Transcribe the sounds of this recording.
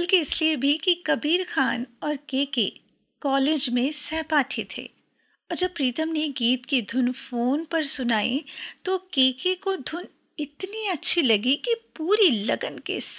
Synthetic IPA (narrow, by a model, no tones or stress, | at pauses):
bɐlkeɪsliebʱikikɐbiːɾxaːnɔːɾkeːkḛ | kɔːleːd͡ʒmẽsɛːpaːʈʰet̪ʰḛː | ɔːɾd͡ʒɐb̚pːɾiːt̪əmneɡiːt̪kid̪ʱʊnfoːnpɐɾsʊnaːḭ̃t̪okeːkekod̪ʱʊn | ɪt̪niɐtːʃʰilɐɡikipuːɾilɐɡənkḛs